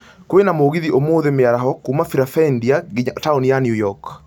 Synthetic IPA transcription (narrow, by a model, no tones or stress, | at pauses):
kwenamoɣiðiʔomoðemeaɾaɦɔkumafiɾafɛndiaɡiɲataunijanjujɔk